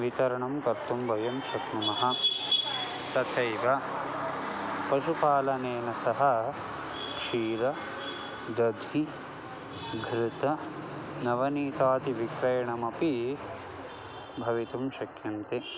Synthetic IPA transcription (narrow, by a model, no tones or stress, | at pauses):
ʋit̪ɐɾɐɳɐmkɐɾt̪umbʱɐjɐmʃɐt̪mɐmɐɦɐ̆ | t̪ɐt̪ʰɐjʋɐ | pɐʃupaːlɐneːnɐsɐɦɐ̆ | kʂiːɾɐ | d̪ɐd̪ʱi | ɡʱɾɪt̪ɐnɐʋɐniːt̪aːt̪iʋikɾɐjɐɳɐmɐpi | bʱɐʋit̪umʃɐkjɐnt̪i